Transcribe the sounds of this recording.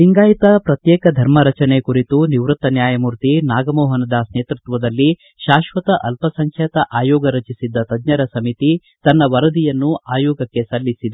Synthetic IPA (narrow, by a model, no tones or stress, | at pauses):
iŋɡaːjit̪ɐpɾɐt̪jɛːkɐd̪ʱɐɾmɐɾɐt͡ʃɐnekuɾit̪uniʋɾut̪ːɐnjaːjɐmuɾt̪inaːɡɐmɔːɦɐnɐd̪ɐsneːt̪ɾut̪ʋɐd̪ɐlːi | ʃaːʃʋɐt̪ɐʔɐlpɐsɐŋkʰjɛt̪ɐʔaːjɔːɡɐɾɐt͡ʃisid̪ːɐt̪ɐd̪ɲɐɾɐsɐmit̪i | t̪ɐnːɐʋɐɾɐd̪ijɐnːuʔaːjɔːɡɐkːe̞sɐlːisid̪e